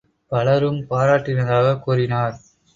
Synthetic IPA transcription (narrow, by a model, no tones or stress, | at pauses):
pɐlɐɾɯmpaːɾaːʈːɪnɐðaːɣɐkuːrɪnaːɾ